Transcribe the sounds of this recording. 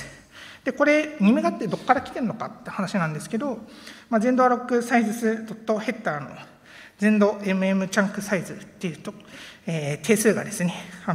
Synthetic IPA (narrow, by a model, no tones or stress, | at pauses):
d̪̥e̞ko̞ɾe̞ɲ̟imeɡat̪ːe̞d̪o̞kːaɾakʲi̥t̪e̞ɾɯ̟no̞ka̰t̪ːeɯ̟̥hanaɕinãnd̪e̞sɨ̥ke̞d̪o̞mazẽ̞nd̪o̞ɾo̞kːɯ̟saizɨsɨd̪o̞t̪ːo̞he̞t̪ːaːno̞̰ | d͡zẽ̞nd̪o̞e̞mɯ̟e̞mɯ̟t͡ɕãŋkɯ̟saizɨt̪ːe̞jɯ̟t̪oeːt̪ʰe̞ːsɨːɡa̰d̪e̞sɨne̞a